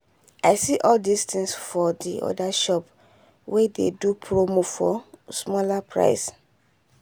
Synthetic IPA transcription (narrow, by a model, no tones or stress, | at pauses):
aɪsiʔɔldistĩŋsfɔdiʔɔ̰daʃɔp | wedḛdupʰɹomofɔ̰smɔlapʰɹa̰ɪs